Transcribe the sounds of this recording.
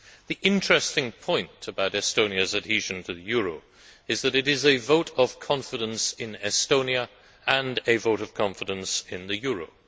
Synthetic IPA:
ðiʔɪ̃nt͡ʃɹ̥ɛstɪ̃ŋpʰɔ̃ɪ̃ntʰɨbaʊɾɛstõʊ̃niɨzɨt̚hiʒɨ̃ntʰɨðɨjʊɹoʊ | ɨzðɨɾɨɾɪzɨvoʊɾʌv̥kʰɑ̃ɱfɨɾə̃nsɪ̃nɛstõʊ̃njɨ | ə̃nɨvoʊɾʌv̥kʰɑ̃ɱfɨɾə̃nsɪ̃nðɨjʊɹo̰ʊ

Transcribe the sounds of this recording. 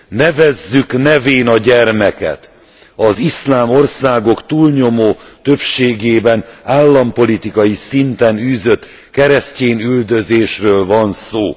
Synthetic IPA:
nɛvɛzːyknɛveːnɒɟɛrmɛkɛ̰t̪ | ɒzislaːmo̞rsaːɡo̞kt̪uːlɲo̞moːt̪ø̞pʃeːɡeːbɛnaːlːɒmpo̞lit̪ikɒjisint̪ɛnyːzø̞t̪ | kɛɾɛsceːnyld̪ø̞zeːʃrøːlvɒnsoː

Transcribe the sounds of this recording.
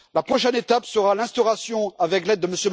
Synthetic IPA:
lapχɔʃɛnet̪apsəʁalɛ̃st̪ɔʁasjɔ̃avɛklɛd̪ːəməsjøm

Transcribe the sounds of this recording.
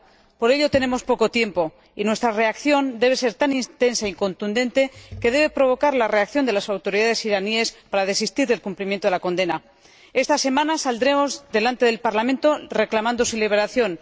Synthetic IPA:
po̞ɾe̞ʎo̞t̪e̞ne̞mo̞spo̞ko̞t̪je̞mpo̞ | inwe̞st̪ɾare̞akθjo̞nd̪e̞β̞e̞se̞ɾt̪anĩnt̪e̞nsaiŋko̞nt̪und̪ẽ̞nt̪e̞ke̞ðe̞β̞e̞pɾo̞β̞o̞kaɾlare̞akθjo̞nd̪e̞lasawt̪o̞ɾiðaðe̞siɾanie̞spaɾaðe̞sist̪iɾðe̞lkumplimjent̪oelako̞nd̪e̞na | e̞st̪ase̞mãnasald̪ɾe̞mo̞zðe̞lant̪e̞ðe̞lpaɾlamẽnt̪o̞re̞klamãnd̪o̞siliβ̞e̞ɾaθjo̞n

